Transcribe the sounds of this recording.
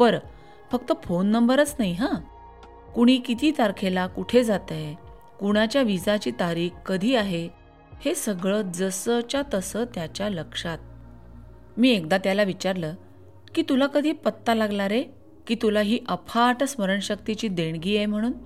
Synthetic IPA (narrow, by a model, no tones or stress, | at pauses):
bəɾ | fək̚t̪əfonːəmbəɾət͡snajɦã | kuɽ̃iːkit̪ʰiːt̪aɾkʰelakuʈʰed͡zat̪ə | kuɽ̃at͡ɕjaʋid͡zat͡ɕiːt̪aɾiːkkəd̪ʱiːaɦe | hesəɡɭəːd͡zəsət͡ɕjat̪əsəːt̪jat͡ɕjaləkʂat̪̚ | miːekd̪at̪jalaʋit͡ɕaɾləː | kiːt̪ulakəd̪ʱiːpət̪ːalaɡlaɾe | kiːt̪ulaɦiːʔəpʰaːʈəsməɾəɳɕək̚t̪it͡ɕiːd̪eɳ̃ɡiːjem̤əɽ̃uːn